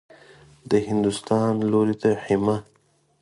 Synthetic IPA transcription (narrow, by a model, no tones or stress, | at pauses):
d̪əhɪnd̪ust̪ɑnloɾit̪aħima